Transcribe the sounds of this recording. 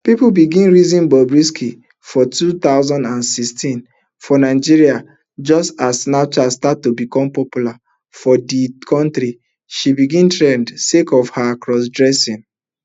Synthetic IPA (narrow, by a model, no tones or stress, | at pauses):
pipubiɡĩnɹizĩnbɔbɹiskʰi | fɔtut̪aʊzãndãnsikstĩn | fɔnaɪd͡ʒiɹia | d͡ʒɔstasnat͡ʃastatːubikɔ̃mpɔpjula | fɔdikʰɔ̃ntɾi | ʃibiɡĩntɹɛ̃ndsekɔfhaakɹɔs̬dɹɛsĩn